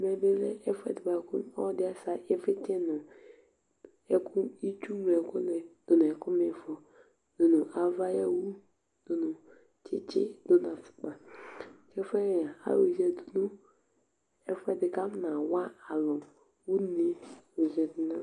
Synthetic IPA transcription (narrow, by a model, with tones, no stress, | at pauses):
me˨be˦le˦ɛ˦fɛ̰˨dba˨ku˦ɔ̰˦dɪ˦a˦sa˦ɪ˦fɪ˦tɪ˦nʊ˨ | ɛ˦kʰu˦i˦t͡ʃu˦me˨ko˦le˨d̥o˨n˨ɛ˨kʊ˦mɪ˦˨fɔ˨ | do˨nu˨ʔa˦va˦ja˦wu˦ | d̥o˨nʊ˨ | t͡ʃɪ̰˦t͡ʃɪ̰˦do˦n˨a˨fu̥˨k͡pa˨kɛ˦fɛ˦˨ja˨a̰˨˦ɾo˨ze˦du˨nu˦ | ɛ˦fɛ˦dɪ˨ka˦m˦na˨wa˦a˨lʊ˨ | wu˦ni˦o˨zɛ˨dna˦